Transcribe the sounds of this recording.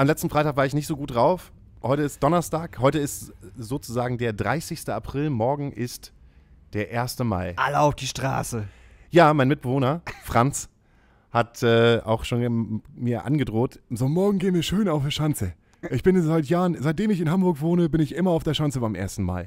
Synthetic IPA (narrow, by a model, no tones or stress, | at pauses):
ʔamlɛt͡stn̩faɪaːkvaɐɪçnɪçtz̥oːɡuːt̚d̥ʁaʊf | hɔʏtəɪst̚d̥ɔnɐstaːkhɔʏtəɪstz̥oːt͡suzaːɡŋ̩deːɐdʁa̰ɪsɪçstəapʁ̥ɪlmɔɐɡŋ̩ʔɪst | d̥eːɐʔeːɐstəma̰ɪʔaləaʊfd̥iːʃtʁ̥a̰ːsə | jaːmaɪnmɪt̚b̥əvoːnɐfʁ̥ant͡s | hatʔɛːa̰ʊxʃoːnmiːɐʔa̰nɡədʁoːtzoːmɔɐɡŋ̩ɡeːənviːɐʃøːnaʊfəʃant͡sə | ʔɪçb̥ɪnzaɪtjaːʁənzaɪt̚d̥eːmɪçɪnɦambʊɐkv̥oːnəbɪnɪçʔɪmɐaʊfd̥eːɐʃant͡səbaɪmʔeːɐstn̩ma̰ːl